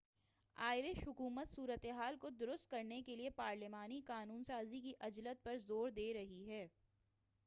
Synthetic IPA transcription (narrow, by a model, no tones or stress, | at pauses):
aːɪɾeʃɦʊkuːmət̪suːɾət̪eɦaːlkod̪ʊɾʊst̪̚kɐɾnekeliepaːɾlɪmaːnikaːnuːnsaːzikiʔɐd͡ʒlət̪̚pɐɾzoːɾd̪eːɾɐɦiɦɛː